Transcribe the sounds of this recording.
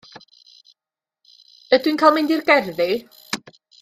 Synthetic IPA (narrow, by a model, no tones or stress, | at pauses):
ədwinkʰaːlˠmɪndirɡɛrðɪ